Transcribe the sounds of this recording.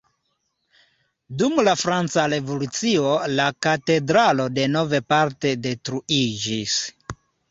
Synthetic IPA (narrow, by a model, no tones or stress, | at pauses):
dumlafɾant͡saɾe̞vo̞lut͡sio̞lakate̞dɾalo̞de̞no̞ve̞paɾte̞de̞tɾuid͡ʒis